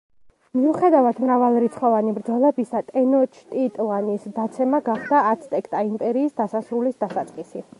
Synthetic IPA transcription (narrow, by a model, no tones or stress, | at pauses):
miuχɛd̪avad̪mɾavalˠɾit̪sʰχɔvanibɾd̪zɔlɛbisat̪ʼɛnɔt͡ʃʰt̪ʼit̪ʼlanisd̪at̪sʰɛmaɡaχd̪aːt̪sʰt̪ʼɛkʰt̪ʼaimpʼɛɾiːsd̪asasɾulisd̪asat̪sʼqʼisi